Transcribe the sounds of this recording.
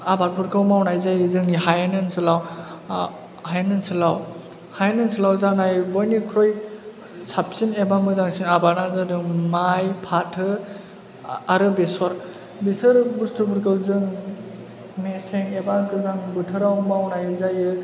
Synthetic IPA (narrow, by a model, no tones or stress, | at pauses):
abaɾpʰuɾkʰɯwmawnajzajɯzɯŋnihajnɯnsɯlaw | hajnɯnsɯlaw | hajnɯnsɯlawzanajbɔjnikʰɾɔj | sʰap̚sinebamɯzaŋsiŋabaɾnazadɯŋmajpʰatʰɯ | aɾɯbesɔɾ | besɯɾbustʰupʰuɾkʰɯwzɯŋ | meseŋebaɡɯzaŋbɯtʰɯɾawmawnajzajɯ